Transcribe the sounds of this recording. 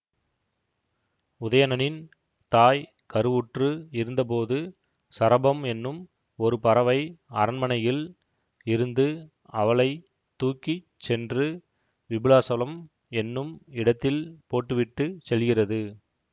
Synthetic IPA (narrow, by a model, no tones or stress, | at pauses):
ʊðɐjɐnɐnɪn | t̪aːj | kɐɾɯʋʊʈrɯɪɾɯnd̪ɐp̬oːðɯ | sɐɾɐbɐmɛnːɯm | ɔɾɯpɐɾɐʋɐɪɐɾɐnmɐnɐjɪl | ɪɾɯnd̪ɯ | ɐʋɐɭɐɪ | t̪ːuːkːi | sɛndrɯ | ʋɪbɪlaːsɐlɐm | ɛnːɯmɪɽɐt̪ːɪlpoːʈːɯʋɪʈːɯsɛlɣɪrɐðɯ